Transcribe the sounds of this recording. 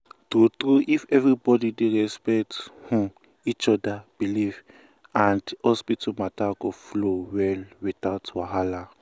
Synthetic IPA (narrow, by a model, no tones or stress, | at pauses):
tɾutɹuʔifɛvɹibɔdideɹɛspɛkthũ | it͡ʃɔdab̥iliv | ãndhɔspitʰamataɡoflowɛlwiθaʊtwaɦala